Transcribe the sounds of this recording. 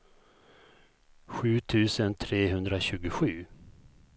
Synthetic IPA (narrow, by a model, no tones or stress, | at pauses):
ɧʉ̟ːt̪ʰʉ̟ːsənt̪ʰɾeːɦɵnd̪ɾaɕʉ̟ːɡʊɧʉ̟ː